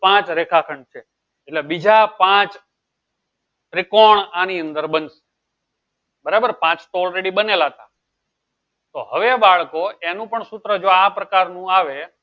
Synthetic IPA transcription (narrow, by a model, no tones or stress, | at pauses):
pãt͡ʃɾekʰakʰəɳt͡ʃʰe | eʈlebid͡ʒʱapãt͡ʃ | ɾɪkoɳaniənd̪əɾbənse̥ | bəɾabəɾpãt͡ʃt̪oɔlɾeɽibənelat̪a | t̪oɦəʋebaɭkoenũpəɳsut̪ɾəd͡ʒoapɾəkaɾnũaʋe